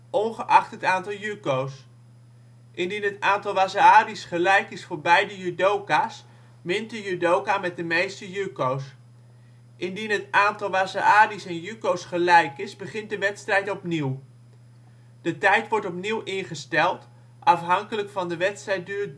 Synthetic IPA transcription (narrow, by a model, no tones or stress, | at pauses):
ʔɔnχəʔɑχtətaːntɑlˠjykows | ʔɪndinɦətaːntɑlˠʋaːsaːdisχəlɛjkɪsfʊːɹbɛjdəjydowkaːs | mɪnt̚dəjydowkaːmɛt̚dəmejstəjøkows | ʔɪndinɦətaːntɑlˠʋaːsaaːdisɛnjykowsχəlɛjkɪzbəχɪnt̚dəʋɛtstrɛjtɔpniw | d̥ətɛjtʋɔɹtɔpniwʔɪnχəstɛlˠt | ʔɑfɦɑŋkələkfɑndəʋɛtstrɛjt̚døː